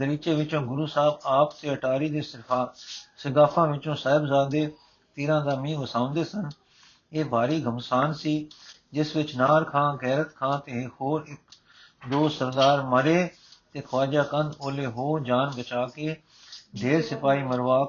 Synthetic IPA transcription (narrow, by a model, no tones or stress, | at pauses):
d̪əɾiːt͡ʃeːʋɪt͡ʃõːɡʊɾuːsaːbaːpt̪eːəʈaːɾiːd̪eːsɪpʰaːsɪɡaːpʰãːʋɪt͡ʃõːsaːɪbzaːd̪eː | t̪eːɾãːd̪aːmĩːʋəsãːʊ̃nd̪eːsən | eːbaːɾiːɡʱəmsaːnsiːd͡ʒɪsʋɪt͡ʃnaːɾkʰãːɡɛːɾət̪kʰãːt̪eːhoːɾɪk | d̪oːsəɾd̪aːɾməɾeː | t̪eːkʰəʋaːd͡ʒaːkə̃nd̪oːleːɦoːd͡ʒaːnbət͡ʃaːkeː | d̪ʱeːɾsɪpaːiːməɾʋaː